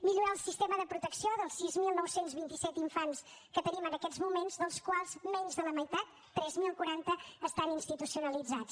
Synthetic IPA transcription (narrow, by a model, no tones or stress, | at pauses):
miʎuɾaːlˠsist̪eməðəpɾut̪əksioðəlˠsːizmilˠnɔwsenzβint̪isɛt̪iɱfanskət̪ənimənəkɛ̥zmumenzðəlˠskwalˠzmɛɲzðələməjt̪at̪ːɾɛzmilˠkuɾant̪əːst̪aninst̪it̪usiunəlid͡zat͡s